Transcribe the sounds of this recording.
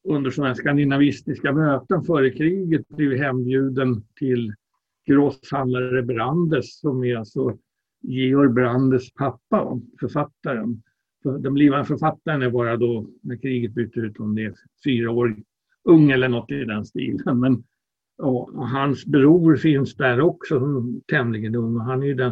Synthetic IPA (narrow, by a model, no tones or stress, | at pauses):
ɵnd̪əʂɔmæːskand̪ɪnavɪst̪ɪskamøːt̪ənfœːɾəkʰɾiːɡət̪̚blivɪɦɛnbjʉ̟ːd̪ənt̪ʰɪl | ɡ̥ɾɔshand̪laɾəbɾand̪əsːɔmɪɾalt̪sɔ | jeːɔɾbɾand̪əspʰapːaa̰fœɾfat̪ːaɾən | fd̪ɛmbliːvaənfœɾfat̪ːaɾənæɾbɑːɾad̪ɔnæɾkʰɾiːɡət̪̚byːt̪əɾʉ̟ːt̪ɔmd̪ɛː | fyːɾaoːɾ | ɵŋːɛlːəɳɔt̪ːɪd̪ɛnst̪ḭːlənmɛn | jɑːɦansbɾuːɾfɪnsd̪æɾɔksɔsɔmt̪ʰɛmlɪɡənɵŋːɔɦanæɾjɵd̪ɛn